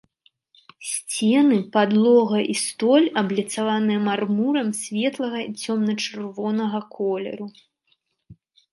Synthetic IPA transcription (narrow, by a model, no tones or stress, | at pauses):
sʲt͡sʲɛnɨpad̪lˠɔɣɐʔist̪ɔlʲɐblʲit̪savanɨjɛmarmuɾɐmsʲvʲɛt̪lˠɐɣɐit͡sʲɔmnɐt͡ʂɨrvɔnɐɣɐkʰɔlʲɛ̰ɾu